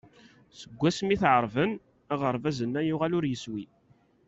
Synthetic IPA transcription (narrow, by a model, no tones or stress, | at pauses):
səɡʷːæsmiθʕəɾˤvən | æʁəɾˤvæzənːæjʊʁalʊɾjəswi